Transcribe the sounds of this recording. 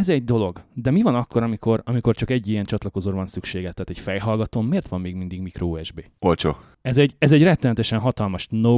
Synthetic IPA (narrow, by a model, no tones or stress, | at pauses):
ɛzɛɟ̚d̪o̞lo̞ɡd̪ɛmivɒnɒkːo̞ɾɒmiko̞rɒmiko̞rt͡ʃɒkɛɟːijɛnt͡ʃɒt̪lɒko̞zoːrvɒnsykʃeːɡɛt̪ːaːt̪ɛcfɛjɦɒlɡɒt̪oːmːeːrt̪ʋɒmːeːɡmind̪iɡmikɾooːɛʒbeːolt͡ʃo̰ː | ɛzɛɟɛzɛɟrɛt̪ːɛmɛt̪ɛʃɛnɦɒt̪ɒlmɒʃno